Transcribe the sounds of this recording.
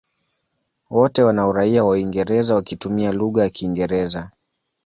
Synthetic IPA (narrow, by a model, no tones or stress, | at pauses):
wɔtɛwanaɔɾaiawaiŋɡɛɾɛzawakitumialuɣajakiːŋɡɛɾɛza